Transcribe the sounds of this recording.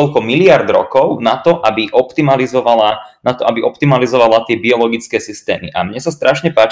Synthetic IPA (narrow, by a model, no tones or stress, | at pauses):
ɔlkɔmilɪaɾd̪ɾɔ̰kɔʊnat̪ɔʔabiʔɔpt̪imalizɔʋalanat̪ɔʔabiʔɔpt̪imalizɔʋalat̪ɪɛbiɔlɔɡit͡skɛːsist̪ɛ̰ːmḭʔa̰mɲɛsast̪ɾaʃɲɛpaːt͡ʃ